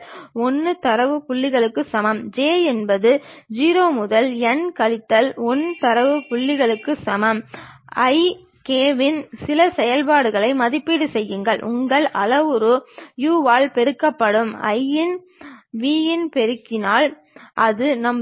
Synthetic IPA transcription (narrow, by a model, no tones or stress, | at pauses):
ɔnːɯt̪ɐɾɐʋɯkʊɭːɪɣɐɭɯkːɯsɐmɐmd͡ʒeːɛnbɐðɯd͡ʒiːɾoːmʊðɐlɛnkɐlɪt̪ːɐlɔnːt̪ɐɾɐʋɯkʊɭːɪɣɐɭɯkːɯsɐmɐmɐɪ | keːʋɪnsɪlɐsɛjɐlpaːɽɯɣɐɭɐɪmɐðɪpːiɽɯsɛjːɯŋɡɐɭʔʊ̰ŋɡɐɭʔɐ̰lɐʋɯɾɯjuːʋaːlpɛɾɯkːɐpːɐɽɯmɐ̰ɪjɪn | ʋiːjɪnpɛɾɯkːɪnaːl | ʔɐðɯnɐm